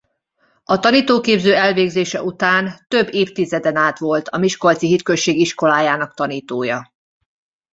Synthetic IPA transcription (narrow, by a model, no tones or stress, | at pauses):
ɒt̪ɒniːt̪oːkeːbzøːɛlveːɡzeːʃɛʔut̪aːnt̪ø̞bːeːft̪izɛd̪ɛnaːt̪ʋo̞lt̪ɒmiʃkolt̪siɦit̪køʃeːɡiʃko̞laːjaːnɒk̚t̪ɒniːt̪oːjɒ